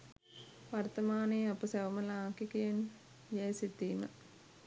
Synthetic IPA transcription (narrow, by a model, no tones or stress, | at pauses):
ʋɐɾt̪ɐmaːniːɐpɐseʋɐmɐlaːŋkikɐjen | jeːsit̪ːiːmɐ̰